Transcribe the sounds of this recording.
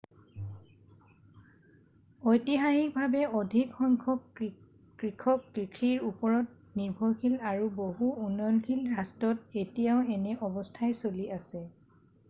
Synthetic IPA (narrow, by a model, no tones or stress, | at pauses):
ojtixaxik̚bʱabɛodʱikxɔŋkʰɔb̚ | kɹikʰɔp̚kɹikʰiɹupɔɹɔt̚ | niɹbʱɔɹkʰilaɹuboɦuunɔjɔnkʰilɹastɔtetijaʊɛnɛʔɔbɔstʰajsoliʔasɛ